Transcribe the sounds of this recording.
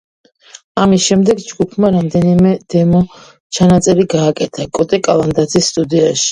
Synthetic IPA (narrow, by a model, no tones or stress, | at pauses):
amisʃɛmd̪ɛɡd͡ʒɡupʰmaɾamd̪ɛnimɛd̪̥ɛmɔ | t͡ʃʰanat̪sʼɛɾiɡaːkʼɛt̪ʰakʼɔt̪ʼɛkʼalˠand̪at̪zʰisːt̪ʼud̪iaʃi̥